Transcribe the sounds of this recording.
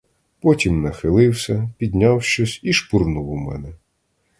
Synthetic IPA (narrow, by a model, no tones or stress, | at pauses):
pɔtʲimnɐxɪlˠɪwsʲɐpʲid̪ʲnʲawʃt͡ʃɔsʲiʃpurnuwumɛ̰nɛ